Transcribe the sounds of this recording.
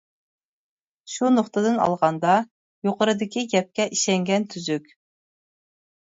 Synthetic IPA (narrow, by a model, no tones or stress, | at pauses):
ʃunoχt̪ɨd̪ɨnɑ̰lˠʁɑnd̪ɑ | joqəɾɨd̪ɪkʲiɡʲɛp̚kʲɛʔiʃɛŋɡʲɛnt̪ʰyzykʲ